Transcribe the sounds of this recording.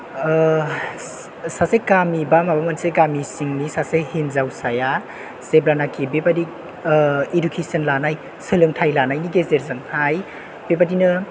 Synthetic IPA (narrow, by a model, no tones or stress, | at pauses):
sasekamibamabamɐnseɡamisiŋnisasejhinzawsaja | seblanakʰibebadi | idukʰesənlanaj | sɯlɯŋtʰajlanajniɡezeɾzɯŋhaj | b̥epadinɯ